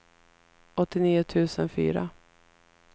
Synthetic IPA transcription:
ʔɔt̪ːɪniːʊt̪ʰʉ̟ːsənfy̰ːɾa̰

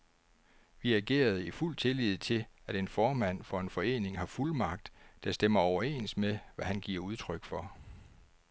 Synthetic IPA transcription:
ʋiæɡ̥e̝̰ːɐð̞̩ˠiful̰t͡sʰe̝lið̞̰ˠt͡sʰe̝læɾ̥e̝nfɒːmæn̰fɒ̽e̝nfɒ̽e̝̰ːne̝ŋɦɑ̈fulmɑ̈ɡ̥̚d̥d̥æsd̥emɐɒʊɐe̝̰ːnsmeʋæhænɡ̥iɐ̰uð̞ˠt͡sʰʁœɡ̥fɒ̽

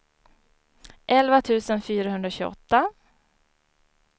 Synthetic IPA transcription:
ʔɛlvat̪ʰʉ̟ːsənfyːɾaɦɵnd̪ɾaɕʉːɔ̰t̪ːa

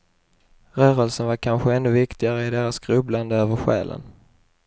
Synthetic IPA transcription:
ɾœːɾəlsənvaɾkʰanɧəɛnːɵvɪkt̪ɪɡaɾəɪd̪eːɾasɡɾɵbland̪əøːvəɾɧæ̰ːlʔə̰n

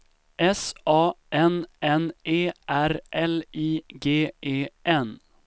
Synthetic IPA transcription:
ʔɛsɑːʔɛnʔɛnʔeːʔæɾʔɛliːɡeːʔeːʔɛn

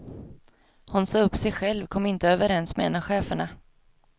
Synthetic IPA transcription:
hʊnsɑːɵpːsɛjɧɛlvkʰɔmːɪnt̪əøːvəɾɛnsmɛɛnːaɧeːfəɳa

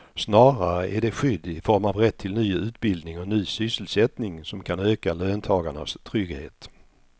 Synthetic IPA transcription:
snɑːɾaɾəʔæɖɛɧʏd̪ːɪfɔɾmavɾɛt̪ʰːɪlnyːʉ̟ːt̪bɪld̪nɪŋɔnyːsʏsːəlsɛt̪nɪŋsɔmkʰanøːkaløːnt̪ʰɑːɡaɳa̰st̪ʰɾʏɡhḛːt̪

